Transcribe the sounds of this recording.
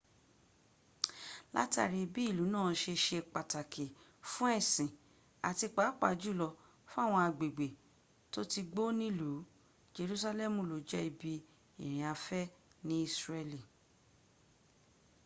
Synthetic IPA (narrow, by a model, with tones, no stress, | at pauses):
la̰˦ta̰˦˨ɾi˧bi˦i˦˨lu˨˦nãː˦˨ʃe˧ʃe˧k͡pa˨ta˨kʰe˨ | fũ˦ɛ˦˨sĩ˨ | a˨ti˧k͡pa˨˦k͡pa̰˨˦d͡ʒu˦˨lɔ˧ | fũ˦a˦˨w̃ɔ̃˧a˧ɡ͡be˨ɡ͡be˨ | to˦ti˧ɡ͡bo˦nĩ˦lu˨˦ | d͡ʒe˧ɾu˦sa˧lɛ˦˨mũ˨lo˨˦d͡ʒɛ˦i˧bi˧ | i˨ɾ̃ĩ˨a˧fɛ˦nĩ˦i˦˨sɾɛ˦li˨